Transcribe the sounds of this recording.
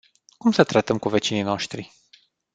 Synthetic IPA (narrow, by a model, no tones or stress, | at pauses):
kumsət̪ɾat̪əmkuve̞t͡ʃinino̞ʃt̪ɾi